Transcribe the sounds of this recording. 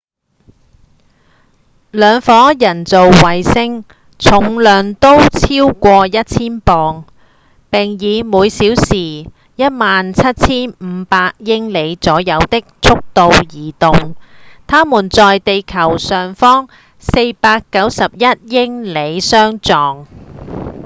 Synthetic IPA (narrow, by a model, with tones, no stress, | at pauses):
lœː˨˧ŋfɔː˨˥jɐ˨˩nt͡so˨wwɐ˨jsɪ˥ŋ | t͡sʰʊ˨˩ŋlœː˨˩ŋt̪o˥wt͡sʰiː˥wkʷɔː˧jɐ˥t̚t͡sʰiː˥npɔː˨ŋ | pɪ˨˩ŋjiː˨˧muː˨˧jsiː˨˥wsiː˨˩ | jɐ˥t̚maː˨nt͡sʰɐ˥t̚t͡sʰiː˥nm̩˨˧paː˧k̚jɪ˥ŋle˨˧jt͡sɔː˨˥jɐ˨˧wt̪ɪ˥k̚t͡sʰʊ˥k̚t̪o˨wjiː˨˩t̪ʊ˨ŋt̪ʰaː˥muː˨˩nt͡sɔː˨jt̪e˨jkʰɐ˨˩wsœː˨˩ŋfɔː˥ŋ | se˧jpaː˧kːɐ˨˥wsɐ˨p̚jɐ˥t̚jɪ˥ŋle˨˧jsœː˥ŋt͡sɔː˨˩ŋ